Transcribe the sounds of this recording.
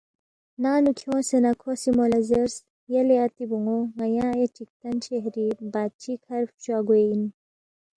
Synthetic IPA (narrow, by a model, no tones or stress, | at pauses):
naːnukʰjõːsenɐkʰosimolɐzeɾs | jeleaːt̪ibuŋoŋɐjãːjet͡ɕik̚t̪ɐnt͡ɕeɦɾibaːd̪̚t͡ɕʰikʰɐɾft͡ɕwaɡoin